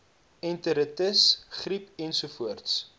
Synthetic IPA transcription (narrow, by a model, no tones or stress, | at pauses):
ɛntəɾətəsχripɛnsufuərts